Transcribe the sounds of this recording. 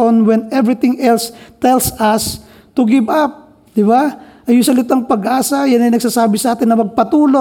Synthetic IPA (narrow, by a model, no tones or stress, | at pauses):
onwɛnɛvɹɪt̪ɪ̃ŋʔɛlst̪ɛlsɐs | t̪ʊɡɪbʔap̚ | d̪̥ɪβaʔɐjʊŋsɐlɪt̪aŋpɐɡʔaːsɐjanɐjnɐɡ̚sasaːbɪsɐʔaːt̪ɪnːɐmɐɡ̚pɐt̪uːlo